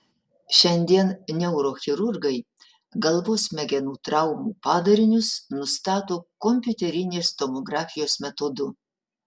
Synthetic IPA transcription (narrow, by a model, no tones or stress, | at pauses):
ʃʲɛnʲd̪ʲiɛnnʲɛʊɾoːxʲɪɾʊɾɡɐɪ | ɡɐlˠʋoːsmʲɛɡʲɛnuːt̪ɾɑʊmuːpɑːd̪ɐɾʲɪnʲʊsnʊst̪ɑːt̪oːkomʲpʲjʊt̪ʲɛɾʲɪnʲeːst̪omoɡɾɑːfʲɪjoːsmʲɛt̪oːd̪ʊ